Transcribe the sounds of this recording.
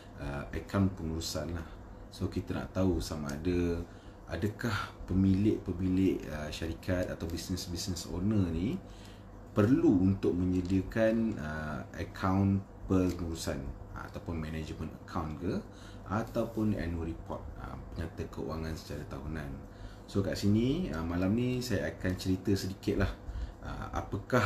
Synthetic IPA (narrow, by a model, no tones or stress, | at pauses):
əəkʰawnpəŋuɾusanlah | sokit̪əna̰ʔt̪ausama̰ːdə | ʔadəkahpəmilɪʔpəmilɪʔəʃaɾikʰat̪̚at̪awbisnəsbisnəso̰nəni | pərluːnt̪ʊk̚məɲədiəkanəəkʰawn | pərnuɾusan | a̰t̪awpʊnmɛnad͡ʒmə̃nə̰kʰawnɡə | at̪awpʊna̰nuəɾipɔ̰t̪̚ə̰pəɲat̪əkəṵaŋansə̥t͡ʃaɾat̪aɦunan | soka̰ʔsinĩəmalamnisajaakant͡ʃəɾit̪əsədikɪt̪̚lahʔə̰a̰pakah